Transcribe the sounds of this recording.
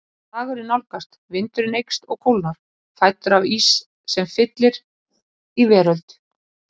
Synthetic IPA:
aːɣʏɾɪnawlkast̪vɪnt̪ʏɾɪnejkst̪ɔɣkʰowlnaɾ̥ | fajt̪ʏɾaviːsː | ɛmfɪt̪lɪɾ | ivɛːɾœlt̪

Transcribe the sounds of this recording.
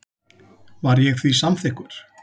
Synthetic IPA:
vaɾjɛɣθvisamθɪhkʏɾ̥

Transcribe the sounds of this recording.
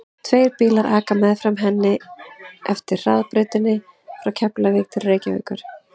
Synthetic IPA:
t̪ʰveːjɾpiːlaɾʔaːkamɛðfɾamɦɛnːɪ | ɛft̪ɪɾraðpɾʏːt̪ɪnːɪ | fɾawcʰɛplavɪɣt̪ʰɪlrejcaœ̰ːkʏɾ̥

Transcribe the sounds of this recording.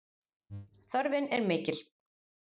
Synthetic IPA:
θœɾvɪnɛɾmɪːcɪl̥

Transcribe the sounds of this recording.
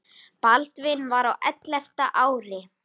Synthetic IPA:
palt̪vɪnvaɾawʔɛ̰t̪lɛft̪aʔaːwɾɪ

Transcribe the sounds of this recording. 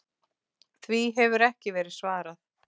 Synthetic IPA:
θviɦɛvʏɾɛhcɪvɛːɾɪðsvaːɾaθ

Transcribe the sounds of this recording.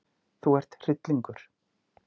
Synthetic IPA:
θuɛr̥t̪r̥ɪt̪liŋkʏɾ̥

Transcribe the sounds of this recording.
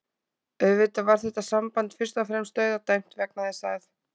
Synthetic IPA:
œvɪt̪avaɾ̥θɛht̪asampant̪fɪr̥st̪afɾɛmst̪œːɥðat̪ajm̥t̪vɛknaðɪsaːɣθ

